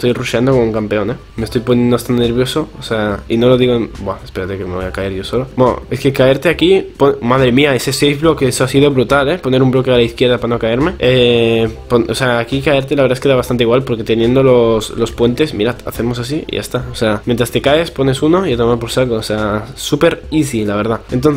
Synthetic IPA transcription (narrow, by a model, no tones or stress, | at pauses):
est̪o̞jruʃand̪o̞komuŋkampe̞o̞ne̞ | me̞st̪o̞jpo̞njend̪oast̪annːe̞ɾβjo̞so̞ːseaino̞lo̞ð̞iɣobwaespe̞ɾat̪ekemeβojakaeɾʝo̞so̞lomoe̞skekae̞ɾt̪eakiponmaðɾe̞miaese̞sejfβlo̞keesoasiðo̞βɾut̪ale̞po̞ne̞ɾumblo̞kealaiθkje̞ɾðapano̞kae̞ɾme̞eponoseaːkikaeɾt̪e̞laβɾðaeskeaβast̪ant̪eiɣwalpo̞ɾke̞t̪e̞nje̞nd̪o̞lo̞slo̞spwe̞nt̪e̞smḭɾat̪a̰θe̞mo̞s̬as̬iḭʝa̰st̪aoseamjent̪ɾast̪e̞kaespo̞ne̞suno̞iat̪omapoɾsalɣoːseasupe̞ɾiθilaβe̞ɾð̞aent̪̬onθ